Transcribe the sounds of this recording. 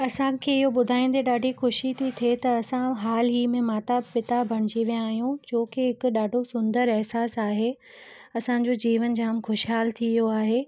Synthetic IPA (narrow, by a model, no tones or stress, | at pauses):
ɐsãkʰeɪɦoɓʊd̪ʱaːĩːn̆d̪eɗaːɖʱixʊʃit̪ʰit̪ʰet̪ɐɐsãɦaːlɦimẽmaːt̪apɪt̪abʱɐɽ̃ɪd͡ʑiʋijãːɦijũd͡ʑoːkɪɦɪkʊɗaːɖʱosʊ̃nd̪əɾɛɦsaːsaːɦe | ɐsãɲ̆d͡ʑod͡ʑiːʋənd͡ʑaːmxʊʃɦaːlt̪ʰijoaːɦeː